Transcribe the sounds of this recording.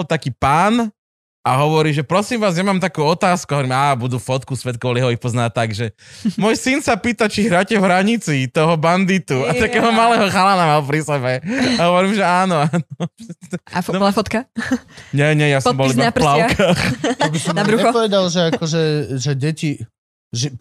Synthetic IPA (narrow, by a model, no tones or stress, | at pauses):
lt̪akiːpaːn | aɦɔʋɔɾiːʒɛpɾɔsiːmʋaːzjamaːmt̪akuːɔt̪aːskuɔʋɾimaːbud̪ufɔt̪kusʋɛt̪̚kɔʋɔliɦɔixpɔznaːt̪aɡʒɛmʊɔjsinsapiːt̪at͡ʃiɦɾaːcɛɦɾaɲit͡sit̪ɔɦɔband̪it̪uat̪akɛːɦɔmalɛːɦɔxalanamalpɾisɛbɛaɦɔʋɔɾiːmʒɛaːnɔaːnɔɛaafɔt̪ka | ɲɛɲɛjasɔmbɔliaplaʊkaːxabisɔmbɾuɛpɔʋɛd̪alʒɛakɔʒɛʒɛɟɛci | ʒɛ